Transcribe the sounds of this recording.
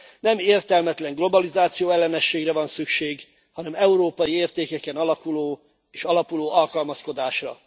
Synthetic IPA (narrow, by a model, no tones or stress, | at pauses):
nɛmeːrt̪ɛlmɛt̪lɛŋɡlo̞bɒlizaːt̪sijoːɛlːɛnɛʃːeːɡrɛvɒnsykʃeːɡ | hɒnɛmɛuɾoːpɒjieːrt̪eːkɛkɛnɒlɒkuloː | eːʃɒlɒpuloːɒlkɒlmɒsko̞d̪aːʃrɒ̰